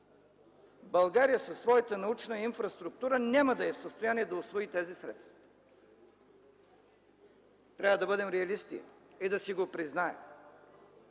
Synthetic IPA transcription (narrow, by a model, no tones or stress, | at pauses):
bɐlˠɡaɾijəsəsːvɔjət̪ənɐut͡ʃnəinfɾɐst̪ɾʊk̚t̪uɾənʲaməd̪ɐɛfsəst̪ojaniɛd̪ɐʊsvɔit̪ɛzisɾɛ̰t̪st̪vɐ | t̪ɾʲavəd̪ɐbɤd̪ɛmɾɛɐlist̪ḭid̪ɐsiɡopɾiznaɛ̰m